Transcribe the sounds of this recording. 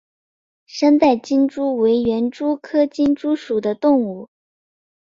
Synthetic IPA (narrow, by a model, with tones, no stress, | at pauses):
ʂə˥nt̪a˥˩ɪt͡ɕi˥nʈ͡ʂu˥we˧˥ɪɥɛ˧˥nʈ͡ʂu˥kʰɤ˥t͡ɕi˥nʈ͡ʂu˥ʂu˨˩d̪ə˦t̪ʊ˥˧ŋu˥˩